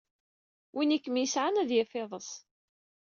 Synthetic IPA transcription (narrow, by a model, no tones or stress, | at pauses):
winikːəmjəsʕanæðjəfɪðˤəs